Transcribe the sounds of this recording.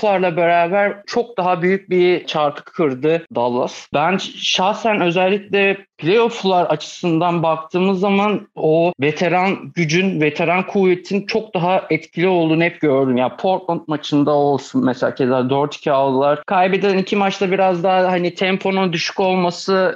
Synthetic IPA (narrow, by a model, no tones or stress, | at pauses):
lˠaɾlˠabeɾaːbæɾt͡ʃʰo̞k̚d̪aɦabyjyc̚biɾt͡ʃʰaɾt̪ʰɯ̥kʰːɯɾd̪ɯd̪alˠːasbænʃaxsænø̞zɛlʲːicʲlʲɛpʰlʲejo̞flˠaɾat͡ʃʰɯ̥sɯnd̪anbak̚t̪ʰɯːmɯzːamanove̞t̪ʰe̞ɾanɟyd͡ʒynve̞t̪ʰe̞ɾankʰuvet̪ʰint͡ʃʰo̞k̚d̪aɦaʔɛt̪cʰilʲiolˠd̪unɦɛp̚ɟø̞ɾd̪ymjanpʰo̞ɾt̪lˠant̪̚mat͡ʃʰɯnd̪ao̞lˠsunmeselʲaːcʰezʲaːd̪øɾt̪ʰi̥cʰialˠd̪ɯlˠaɾ̥kʰajbed̪iɛnicʰimat͡ʃt̪abiɾazd̪aɦahanit̪ʰɛmpʰo̞nund̪yʃy̥co̞lˠmasɯ